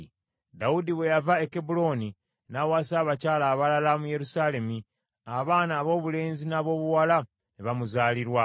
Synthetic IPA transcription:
daudiwe̞javaekebulo̞ni | nawaːsaːβacaːlaβalalamuje̞ɾusaːle̞mi | aβaːnaːβo̞ːβule̞ːnzinaːβo̞ːβuwala | neβamuzaːliɾwa

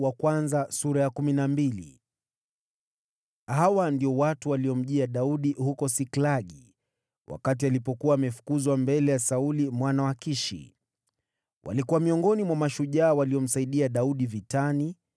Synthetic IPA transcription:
wakwanzasuɾajakuminambilḭ | hawandiɔwatuwaliɔm̩ʄiaɗauɗihukɔsiklaɠi | wʔa̰kat̬ialipɔkuwaːmɛfu̥kuzwambɛlɛjasaulimwanawakiʃḭ | wʔa̰likuwamiɔŋɡɔnimwamaʃuʄaːwaliɔm̩saiɗiaɗauɗivitani

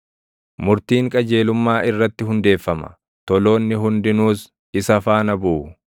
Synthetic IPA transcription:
mʊɾt̪iːŋkʼɐd͡ʒe̞ːlʊmːaːʔɪrːɐt̪ːɪɦʊnd̪e̞ːfːɐmɐ̥̰ | t̪ɔlo̞ːnːɪɦʊnd̪ɪnuːs | ɪsɐfaːnɐbuː

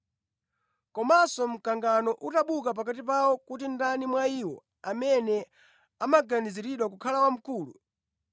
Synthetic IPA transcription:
kɔmasɔm̩kaŋɡanɔʔutaɓukap̬ak̬atipawɔkutindanimwaiːwɔ̰ | amɛnɛ | amaɡaniziɾiɗwakukʰalawam̩kuːlṵ

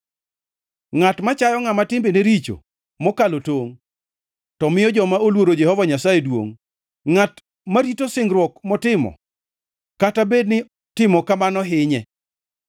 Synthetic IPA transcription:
ŋatmat͡ʃajɔŋamatɪmbeneɾit͡ʃo̰ | mɔkalotoŋ | tɔmɪjɔd͡ʒɔmaolwoɾod͡ʒɛhɔvaɲasajedwo̰ŋ | ŋat | maɾitosɪŋɡɾwɔkmɔtɪmɔ̰ | katabednɪ | tɪmɔkamanɔɦɪɲɛ

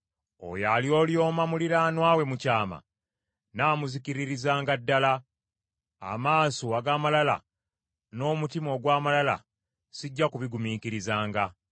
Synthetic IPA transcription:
o̰jaljo̞ːljo̞ːmamuliɾanwaːwe̞mucaːma̰ | naːmuzikiɾiɾizaːŋɡadːala | a̰maːsoaɡaːmalala̰ | no̞ːmutimo̞ːɡwaːmalala̰ | siɟːakuβiɡumiːkiɾizaːŋɡa

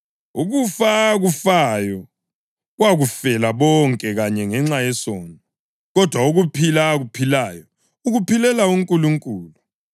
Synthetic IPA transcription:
uɣufaːɣufajɔ | ɣwaɣufɛlaβɔŋkʼɛɣaɲɛŋɛŋ͡ǁajɛsɔːnʼɔ | ɣɔd̥ʱwauɣupʰilaːɣupʰilajɔ | uɣupʰilɛlauŋkʼuluŋkʼuːlu

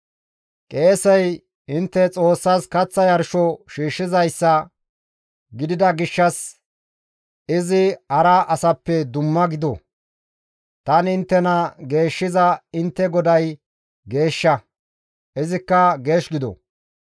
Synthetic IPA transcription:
kʼe̞ːsɛj | ɪnt̪ːɛt͡sʼo̞ːsːaskɐt͡sːɐjɐɾʃɔʃiːʃːɪzɐjsːɐ | ɡɪd̪ɪd̪ɐɡɪʃːɐs | ɪzɪhɐɾɐʔɐsɐpːɛd̪ʊmːɐɡɪd̪ɔ̰ | t̪ɐnɪnt̪ːɛnɐɡe̞ːʃːɪzɐɪnt̪ːɛɡɔd̪ɐj | ɡe̞ːʃːɐ | ʔɪzɪkːɐɡe̞ːʃɡɪd̪ɔ̰

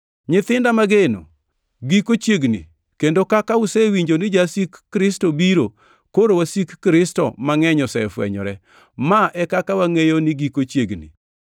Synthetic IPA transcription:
ɲɪt̪ɪndamaɡeno̰ | ɡikot͡ʃjeɡnḭ | kendokakaʊsewiɲd͡ʒonɪd͡ʒasikːɾɪstobiɾo | koɾowasikːɾɪstɔ̰maŋɛɲɔsɛ̰fwɛ̰ɲɔ̰ɾɛ | maʔɛkakawaŋejonɪɡikot͡ʃjeɡnḭ

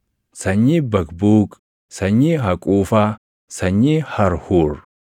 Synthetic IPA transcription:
sɐɲːibɐkbuːkʼ | sɐɲːiɦɐkʼuːfa | sɐɲːihɐɾhuːɾ

